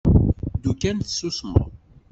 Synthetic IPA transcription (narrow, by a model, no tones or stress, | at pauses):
d̪ukːænθə̥susmə̰ʁ